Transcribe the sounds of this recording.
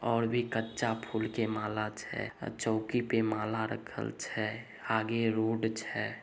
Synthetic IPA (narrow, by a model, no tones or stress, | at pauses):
ɔːɾbʱikətːt͡ʃapʰuːlkemaːlat͡ʃʰɛ̰t͡ʃɔːkipemaːlaɾə̰kʰə̰lt͡ʃʰɛ | aːɡeɾoːɖt͡ʃʰɛ